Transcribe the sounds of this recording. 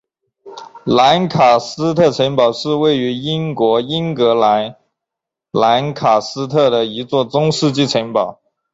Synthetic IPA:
la˧˥nkʰa˨˩sɹ̩˥t̪ʰɤ˥˩ʈ͡ʂʰə˧˥npɑ˨˩ʊʂɻ̩˥˧we˥˩ɪy˧˥i˥nkwɔ˧˥i˥ŋkɤ˧˥la˧˥n | la˧˥nkʰa˨˩sɹ̩˥t̪ʰɤ˥˩d̪ə˩i˧˥t͡swɔ˥˩t͡sʊ˥ŋʂɻ̩˥˧t͡ɕi˥˩ʈ͡ʂʰə˧˥npɑ˨˩˦ʊ

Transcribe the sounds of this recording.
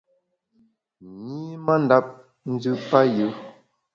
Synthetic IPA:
ɲiː˦ma˦n˦da˦p̚ | n̩˦d͡zʉ˦pa˦jʉ˨˦

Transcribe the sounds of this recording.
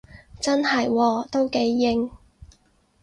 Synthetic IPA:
t͡sɐ˥nhɐ˨jwɔː˧t̪o˥wke˨˥jːɪ˧˥ŋ

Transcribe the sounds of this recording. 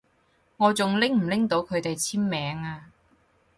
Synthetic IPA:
ŋɔː˨˧t͡sʊ˨ŋlɪ˥ŋm̩˨˩lɪ˥ŋt̪o˨˧wkʰɵ˨˧ɥt̪e˨jt͡sʰiː˥mːɛː˨˧˥ŋaː˧

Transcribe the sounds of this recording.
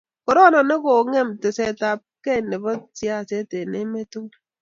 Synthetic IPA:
ko˨ɾɔ˦nɔ˨ne˦ko˨ŋe˦˨mte˨se˦ta˨p̚ke˦˨ne˨bɔ˦tja˦˨se˦te˨ne˦me˦tu˦ŋ

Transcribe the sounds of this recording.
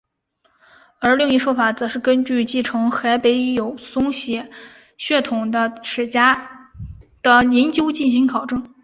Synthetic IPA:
ə˞˧˥li˥˧ŋi˥˩ʂwɔ˥fa˨˩t͡sɤ˧˥ʂɻ̩˥˩kə˥nt͡ɕy˥˧t͡ɕi˥˩ʈ͡ʂʰɤ˧˥ŋxa˧˥ɪpe˧˥ɪ˥jo˨˩ʊsʊ˥ŋɕjɛ˧˥˦ | ɕɥɛ˥˩t̪ʰʊ˨˩ŋd̪ə˦ʂʰɻ̩˨˩t͡ɕja˥ | d̪̥ə˧ljɛ˧˥nt͡ɕjo˥ʊt͡ɕi˥˩nɕ̬i˧˥ŋkʰɑ˨˩ʊʈ͡ʂɤ˥˩ŋ

